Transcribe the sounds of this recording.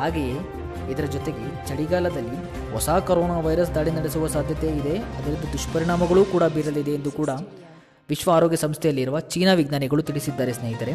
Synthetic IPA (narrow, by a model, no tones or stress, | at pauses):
ɦaːɡeje | id̪ɐɾɐd͡ʒɔt̪e̞ɡe̞ | t͡ʃɐɽiɡaːlɐd̪ɐlːi | ɦɔsaːkɐɾɔːnaːʋɐjɾɐs̬d̪aːɭinɐɽesuʋɐsaːd̪ʱjɐt̪eid̪e̞ɐd̪ɐɾind̪ɐd̪uʂʈpɐɾiɳaːmɐɡɐɭuːkuːɽɐbiːɾɐlid̪e̞ːnd̪ukuːɽɐ | ʋiʃʋɐːɾoːɡjɐsɐmst̪ʰɛjɐlːiɾuʋɐt͡ʃiːnaːʋiɡnaːnɛɡɐɭut̪iɭisid̪ːaːɾesneːɦit̪ɐɾe̞